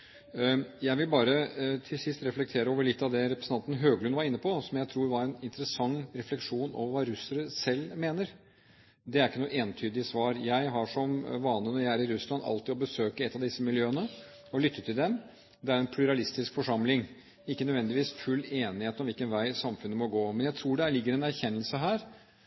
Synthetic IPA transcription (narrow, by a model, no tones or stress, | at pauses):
jæɪʋɪlbɑːɾət̪ʰɪlsɪst̪ɾɛflɛk̚t̪ʰeːɾəoːʋəɭɪt̪ːɑʋd̪ɛɾɛpɾəsn̩ɑnn̩ɦøːɡlʉnʋɑɾɪnːəpʰɔsɔmjæɪt̪ʰɾuːɾʋɑɾɛnɪnt̪əɾəsɑŋːɾɛflɛkʂuːno̰ʋəɾʋɑɾʉsəɾəsɛlːmeːnəɾ | d̪ɛæɾɪkːənuːʔeːnt̪ʰyːd̪ɪsʋɑːɾjæɪɦɑʂɔmʋɑːnənɔjææɾɪɾʉslɑnɑ̰lt̪ɪːɔbəsøːkəɛt̪ːɑʋd̪ɪsːəmɪljøːənə | ɔlʏt̪ʰːət̪ʰɪld̪ɛm | d̪ɛæɾɛnpʰlʉɾɑlɪst̪ɪskfɔʂɑmlɪŋ | ɪkːənød̪ʋɛnd̪ɪʋiːsfʉlːeːnɪheːt̪ɔmʋɪlkənʋæɪsɑmfʉnːəmɔɡoːmɛnjæɪt̪ʰɾuːɖɛæɭɪɡːəɾɛnæɾçɛnːəlsəɦæːɾ